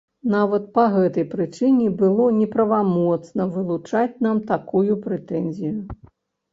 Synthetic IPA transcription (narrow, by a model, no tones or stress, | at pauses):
navɐt̪̚pɐɣɛt̪ɐjpɾɨt͡ʂɨnʲɛbɨlˠɔnʲɛpɾɐvamɔt̪snɐvɨlˠut͡ʂat͡sʲnamt̪akujupɾɛt̪ɛnzʲiju